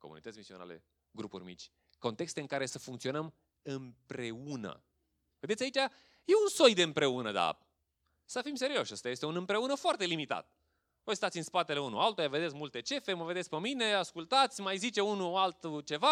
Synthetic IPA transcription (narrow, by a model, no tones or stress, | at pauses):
ko̞mṵnit̪ət̪sʲmisio̞na̰lḛ | ɡɾupṵrʲmḭt͡ʃʲ | ko̞nt̪e̞kst̪e̞ɨŋkaɾe̞səfuŋkt̪sio̞nəm | ɨmpɾeunə̰ | ve̞d̪et̪sʲjait͡ʃʲa | jeunso̞jd̪e̞ɨmpɾe̞unəd̪a̰p | səfimse̞ɾio̞ʃəst̪ajest̪eunɨmpɾe̞unəfoart̪e̞limit̪a̰t̪̚ | vo̞jst̪at̪sʲɨnspat̪e̞le̞unualt̪ojave̞d̪esʲmult̪e̞t͡ʃe̞feməved̪eskpəmine̞askult̪at̪sʲmajzit͡ʃeunualt̪t͡ʃe̞va